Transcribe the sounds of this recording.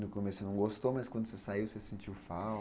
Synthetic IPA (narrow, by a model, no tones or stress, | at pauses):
nʊkomesʊnɐ̃w̃ɡost̪omɐskwɐ̃nd̪ʊsesaiwsesẽnt͡ʃiwfa